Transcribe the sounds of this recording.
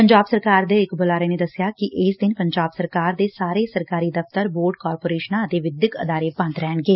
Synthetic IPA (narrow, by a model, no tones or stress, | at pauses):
pəɲd͡ʒaːbsəɾkaːɾd̪eːɪkbolaːɾeːneːd̪əsɪjaːkɪʔɪsd̪ɪnpəɲd͡ʒaːbsəɾkaːɾd̪eːsaːɾeːsəɾkaːɾiːd̪əft̪əɾboːɾɖ̚kaːɾpoːɾeːʃnãːət̪eːʋɪd̪jɪkə̰d̪aːɾeːbə̃nt̪ɾɛːɳɡeː